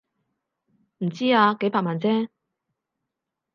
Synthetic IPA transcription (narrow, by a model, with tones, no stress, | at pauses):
m̩˨˩t͡siː˥aː˧ke˨˥jpaː˧kmaː˨nt͡sɛː˥